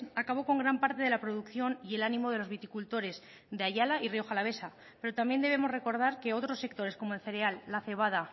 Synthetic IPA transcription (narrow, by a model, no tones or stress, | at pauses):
akaβo̞ko̞ŋɡɾampaɾt̪e̞ðe̞lapɾo̞ðukθjo̞nie̞lanĩmo̞ð̞e̞lo̞zβit̪ikult̪o̞ɾe̞z | ðeaʝalaireo̞xalaβ̞e̞sa | pe̞ɾo̞t̪ambje̞nd̪e̞βemo̞zre̞ko̞ɾð̞aɾke̞o̞t̪ɾo̞sːe̞k̚t̪o̞ɾe̞sko̞moelθe̞ɾe̞alːaθe̞β̞að̞a